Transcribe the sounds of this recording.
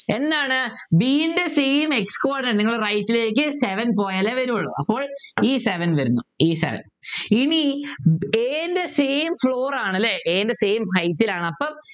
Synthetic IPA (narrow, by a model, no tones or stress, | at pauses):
e̞nːaːɳɨ | biːnde̞seːmekskoːrɖnɐniŋːɐɭrɐjtːile̞ːk̬ʲːɨseʋɐnpo̞ːjɐleʋɐɾumuɭːɐ̰ɐ̰pːo̞ːɭiːseʋɐnʋɐɾunːuiːsḛʋɐ̰n | ini | eːnde̞se̞ːmfɭoːraːɳɐlːeʔeːndese̞ːmhɐjtːilaːɳɨɐpːɐm